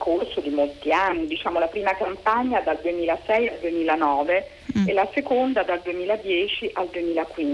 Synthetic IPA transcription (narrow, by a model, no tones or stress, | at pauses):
kʰorsod̪imolt̪ianːid̪it͡ʃaːmolapɾiːmakampaɲːad̪ald̪uemiːlasɛjald̪uemiːlanɔːve | elasekond̪ad̪ald̪uemiːlad̪jɛːt͡ʃiʔald̪uemiːlakwin